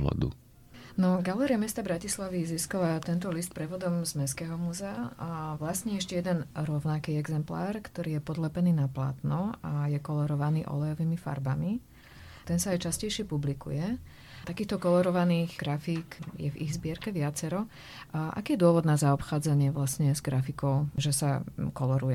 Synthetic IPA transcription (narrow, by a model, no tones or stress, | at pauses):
ɔ̰d̪ṵ | nɔɡalɛːɾiamɛst̪abɾacislaʋiziskalat̪ɛnt̪ɔlist̪pɾɛʋɔd̪ɔmzmɛskɛːɦɔmuzɛaʋlasɲɛɛʃcɛjɛd̪ɛnɾɔʊnakiːɛɡzɛmpla̰ːɾkt̪ɔɾiːjɛpɔd̪lɛpɛniːnapla̰ːt̪nɔajɛkɔlɔɾɔʋaniːʔɔ̰lɛjɔʋimifa̰ɾbami | t̪ɛnsaːjt͡ʃascɛjʃɪɛpublikṵjɛ | t̪akiːxt̪ɔkɔlɔɾɔʋaniːɣɡ̥ɾafiːkjɛ̰vḭɣzbɪɛɾkɛʋɪat͡sɛɾɔ | ʔa̰kiːjɛd̪ʊɔʋɔd̪nazaɔpxaːd͡zaɲɪɛʋlasɲɛzɡɾafikɔʊʒɛsa̰kɔlɔɾujɛ